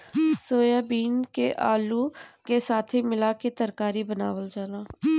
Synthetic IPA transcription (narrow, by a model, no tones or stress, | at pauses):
soːjaːbiːnkeʔaːluːkesaːt̪ʰiːmɪlaːket̪əɾkaːɾiːbənaːʋəld͡ʒaːnaː